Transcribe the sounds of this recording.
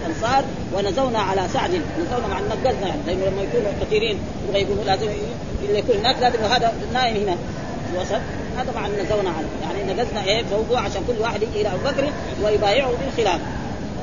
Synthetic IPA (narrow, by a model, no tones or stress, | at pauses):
ʔɑnsˤɑːɾˤ | wanazawnaʕalasaʕd̪innazawnamaʕnːak̚ɡaznaaʕnilainːalamːajakuːnukat̪iːɾiːn | jibɣajkuːnlaːzim | ʔilːajakuːnhinaːklaːt̪imwaɦaːd̪a | naːʔimhina | filwɑsˤɑt̪̚ˤ | haːt̪ɑmʕannazawnaʕala̰ja̰ʕniʔnːaɡaznaʔefawd̪ˤuʕaʃaːnkulːwaːħed̪jiɡiʔilaʔabubakɾi | wajbaːjiʕubilxilaːfa